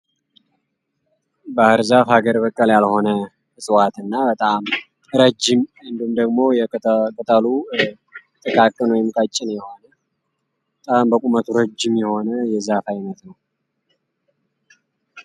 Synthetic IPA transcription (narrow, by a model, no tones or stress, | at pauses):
bahɨɾzafhaɡəɾbəkʼːəljalho̞nə | ɨsʼɨwat̪ɨnːabət̪ʼam | ɾəd͡ʒːɪmɨnd̪iumd̪əɡmo̞jɛkʼɨt̪ʰʼəlu | t̪ʼɨkʰʼakʼːɨnwɔjɪmkʼat͡ʃʼːɪnjɛho̞nə | bət̪ʼambəkʼumət̪ʰuɾəd͡ʒːɪmjɛho̞nəjɛzafajnət̪nəw